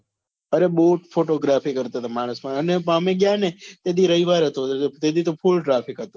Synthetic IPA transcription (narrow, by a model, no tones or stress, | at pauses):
əɾeɓoʈfoʈoɡɾafikəɾt̪at̪omaɽ̃əsmãənepamẽɡjanet̪ed̪iɾəɦiʋaɾɦət̪ot̪ed̪ʱit̪opʰulʈɾapʰikɦət̪õ